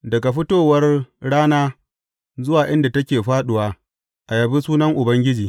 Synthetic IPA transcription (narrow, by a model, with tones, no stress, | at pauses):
dɐ˨ɡa˨ɸɪ˦toː˦˨wɐ˦rɽaː˦naː˦ | zʊ˦waː˨ʔɪ˦nda˨tɐ˦kʲeː˨ɸaː˦ɗʊ˨waː˨˦ | ʔa˨jɐ˨bi˦suː˦nɐ˦ŋʔʊ˨bɐ˦ŋɡʲɪ˦d͡ʒiː˨